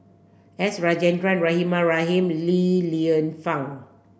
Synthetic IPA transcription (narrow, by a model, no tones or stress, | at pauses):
ɛsɹad͡ʒɛ̃ndɹãnɹahĩmaɹaɦĩmliliə̃nfãŋ